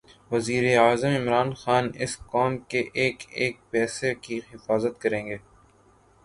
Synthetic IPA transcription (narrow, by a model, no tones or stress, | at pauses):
ʋɐziːɾeaːzəmɪmɾaːnxaːnɪskɔːmkeʔeːkeːk̚pɛːsekiɦɪfaːzət̪̚kɐɾẽːŋɡeː